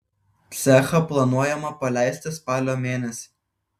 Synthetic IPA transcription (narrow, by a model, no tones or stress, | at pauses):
t̪sʲɛxɐplˠɐnuɔjɛmɐpɐlʲæˑɪsʲt̪ʲɪspɑːlʲoːmʲeːnʲɛsʲi̥